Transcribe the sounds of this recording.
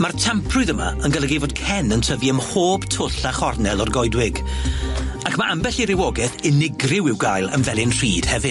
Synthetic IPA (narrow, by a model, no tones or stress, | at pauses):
martʰampʰrʊɨðəma̰ənɡəlaɡejvɔd̥̚kʰɛnəntʰəviəmhoːb̥tʰʊɬaχɔrnɛlˠɔrɡɔjdwɪɡ | akʰmaʔambɛɬɪɾɪwɔɡɛθɪnɪɡrɪwɪwɡajlˠə̰nvɛlˠɪnr̥iːd̥hɛvɨ